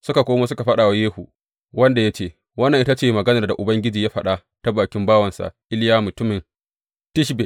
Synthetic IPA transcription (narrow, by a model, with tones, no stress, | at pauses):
sʊ˦ka˨kʷoː˦maː˦sʊ˦ka˨ɸɐ˦ɗaː˨wa˦jeː˦hṵ˨ | wɐ˦nda˨ja˦t͡ʃeː˦˨ | wɐ˦nːɐ˨ŋʔɪ˦ta˦t͡ʃeː˦˨mɐ˨ɡɐ˦nɐ˨rda˨ʔʊ˨bɐ˦ŋɡʲɪ˦d͡ʒiː˨jaː˦ɸɐ˦ɗa˦ | ta˦baː˨kʲɪ˦mbaː˦wɐ˨nsa̰˨ʔʔɪ˦ljaː˦mʊ˨tʊ˦mɪ˨n | tɪ˦ʃbe˨